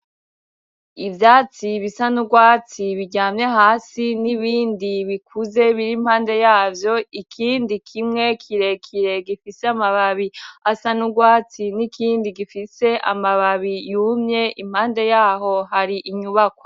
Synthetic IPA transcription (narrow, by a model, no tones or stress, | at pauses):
ivjaːt͡siβisanuɡwaːt͡siβiɟaːmɲehaːsiniβiːndiβikʰuze̞βiɾimhaːnde̞jaːvjo̞ikʰiːndikʰimŋe̞kʰiɾe̞kʰiɾe̞ɡifiseamaβaβiasanuɡwaːt͡sinikʰiːndiɡifise̞ʔa̰maβaβijumɲe̞ʔim̥haːnde̞jaːɦo̞ɦaɾiʔiɲuβakwo̥